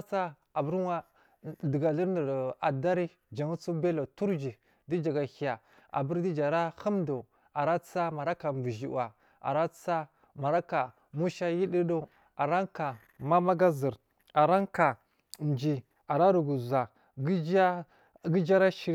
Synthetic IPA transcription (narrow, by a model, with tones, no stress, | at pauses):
t͡sa˦ | a˨bu˦ɾwa˦ | di˨ɡa˨li˦ɾnə˨ɾa˨da˦ɾi˦ | d͡ʒa˨ŋu˦t͡su˦be˦lo˨tu˦ɾd͡ʒi˨ | di˦d͡ʒa˨ɡa˨hi˨ja˨ | a̰˨bu˦ɾdi˦d͡ʒa˨ɾa˦hu˦mdo˨ | a˨ɾa˦t͡sa˦ma˨ɾa˦ka˨mbu˨ʒi˨wa˨ | a̰˨ɾa˦t͡sa˦ | ma˨ɾa˦ka˨ | mu˦ʃa˦ji˦di˦do˦ | a˨ɾa˦ŋka˨ | ma˦ma˦ɡa˦zi˨ɾ | a˨ɾa˦ŋka˨ | nd͡ʒi˨ | a˨ɾa˦ɾu˨ɡu˨za˨ | ɡd͡ʒ | ɡi˦d͡ʒa˦ɾa˦ʃi˨˦